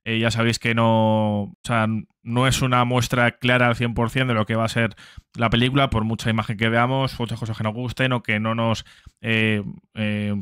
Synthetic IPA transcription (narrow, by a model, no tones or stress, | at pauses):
eʝas̬aβ̞e̞jske̞no̞osea | no̞e̞sunamwe̞st̪ɾaklaɾaːlθje̞mpo̞ɾθje̞nd̪elo̞ke̞β̞ase̞ɾlape̞likulapo̞ɾmut͡ʃaimaxe̞ŋk̬e̞βe̞amo̞smut͡ʃaskoaske̞no̞zɣust̪e̞no̞ke̞no̞no̞s | ee